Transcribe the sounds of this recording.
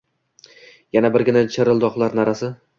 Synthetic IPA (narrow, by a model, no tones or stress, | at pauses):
janabɪɾɡʲɪnat͡ʃʰeɾɪlˠd̪ɒχlˠaɾnaɾasɪ